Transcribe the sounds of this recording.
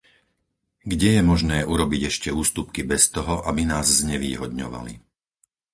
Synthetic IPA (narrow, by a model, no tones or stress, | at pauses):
ɡɟɛjɛmɔʒnɛːʔuɾɔbiɟɛʃcɛuːst̪upkibɛst̪ɔɦɔʔabinaːzzɲɛʋḭːɦɔd̪ɲɔ̰ʋa̰lḭ